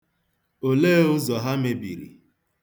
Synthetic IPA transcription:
o˨leː˦ʊ˦zɔ˨ɦa˦me˨bḭ˨ɾḭ˨

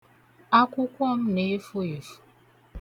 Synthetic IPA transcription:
a˦kʷʊ˦kʷɔ˦m̩˦ne˨˦fu˦e˨fu̥˨˦

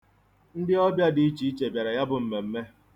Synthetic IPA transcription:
n̩˦dɪ˦ɔ˦bja˦di˨i˦t͡ʃi˨˦i˦t͡ʃe˨bja˨ɾa˨ja˦bʊ˨m̩˨me˨m̩˦me˦

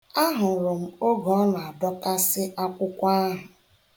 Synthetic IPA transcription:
a˦ɦʊ˨ɾʊ˨m̩˨o˦ɡɔ˨˦na˨a˨dɔ˦ta˦sɪ˦ʔa˦kʷʊ˦kʷa˦ɦʊ˨

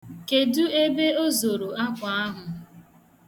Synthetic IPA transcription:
ke˨du˦e˦be˦o˦zo˨ɾo˨a˦kʷa˨a˦ɦʊ˨

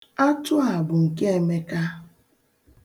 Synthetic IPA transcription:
a˦tʊ˦ɦa˨bʊ˨ŋ̩˨ke˦e˨me˦ka˦

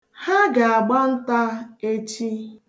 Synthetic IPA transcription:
ha˦ɡa˨a˨ɡ͡ba˦n̩˦ta˦e˦t͡ʃi˦

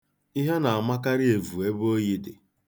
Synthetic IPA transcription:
i˦ɦe˦na˨a˨ma˦ka˦ɾɪ˦e˨vu˨e˦bo˦ji˦dɪ˨

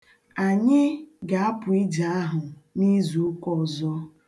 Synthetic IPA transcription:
a˨ɲɪ˦ɡa˨a˦pʊ˨i˦d͡ʒa˨˦a˦ɦʊ˨ni˦zu˨˦kɔ˦˨zɔ˦

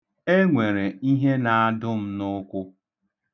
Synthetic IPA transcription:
e˦ŋʷe˨ɾe˨i˦ɦe˦na˨a˦dʊ˦m̩˦nʊ˦kʷʊ˦

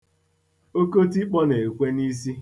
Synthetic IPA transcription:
o˦ko˦ti˦k͡pɔ˦ne˨kʷe˦ni˦s̬i˦

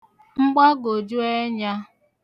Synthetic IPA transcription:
ŋ͡m̩˦ɡ͡ba˦ɡo˨d͡ʒu˦e˦ɲa˦

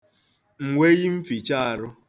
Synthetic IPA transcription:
ŋ̩˨ŋʷe˦ɣi˦m̩˦fi˨t͡ʃa˦a˨ɾʊ˦

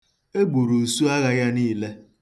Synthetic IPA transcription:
e˦ɡ͡bu˨ɾu˨su˦a˦ɣa˦ja˦niː˦˨le˦

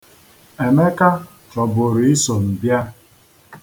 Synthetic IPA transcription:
e˨me˦ka˦ | t͡ʃɔ˨bʊ˨ɾi˨ɪ˦so˨m̩˨bja˦

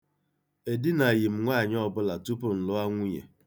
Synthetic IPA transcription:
e˨dɪ˦na˨ɣɪ˨m̩˦ŋʷa˦˨ɲ˦ɔ˦˨bʊ˦la˨tu˦pʊ˨n̩˨lʊ˦a˦ŋʷʊ˦ɲḛ˨

